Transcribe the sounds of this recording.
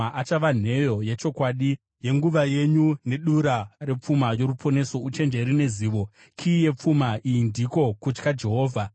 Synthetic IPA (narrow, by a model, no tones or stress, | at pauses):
aʔat͡ʃaʋan̤e̞jo̞je̞t͡ʃo̞kwaːɗi | je̞ŋɡuʋaje̞ɲune̞ɗuɾare̞p͡fumajo̞ɾupʰo̞ne̞so̞ut͡ʃe̞nd͡ʒeɾine̞ziːʋo̞ | kʰije̞p͡fumaijindiko̞kut͡ʃkad͡ʒe̞ɦo̞ːvʱa